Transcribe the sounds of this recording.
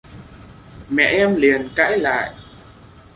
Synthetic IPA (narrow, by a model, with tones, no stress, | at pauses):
mɛ̰˧˨ʔɛ˧mli˨˩ənka̰ː˧˥jla̰ː˧˨jʔ